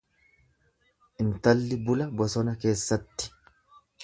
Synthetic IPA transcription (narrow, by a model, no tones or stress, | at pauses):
ʔɪnt̪ɐlːɪbʊlɐbɔsɔnɐke̞ːsːɐt̪ːɪ̥